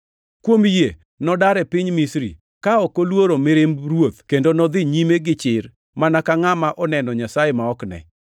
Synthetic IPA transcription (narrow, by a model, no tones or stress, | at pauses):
kwomje | nɔdaɾɛpɪɲmisɾḭ | kaɔkolwoɾomɪɾemrwot̪kendonɔd̪ɪɲimeɡɪt͡ʃɪr | manakaŋamaʔɔnɛnɔɲasajemaɔknɛ̰